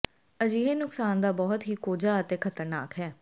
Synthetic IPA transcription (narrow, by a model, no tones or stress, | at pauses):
əd͡ʒiːɦenʊksaːnd̪aːbɔːʊt̪ɦiːkoːd͡ʒaːət̪eːkʰət̪əɾna̰ːkɦɛː